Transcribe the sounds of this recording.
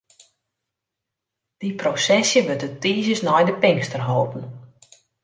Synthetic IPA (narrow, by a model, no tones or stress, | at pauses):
d̥iprosɛsjəʋøtətiːzjəsnɔjdəpɪŋstərɦowpn̩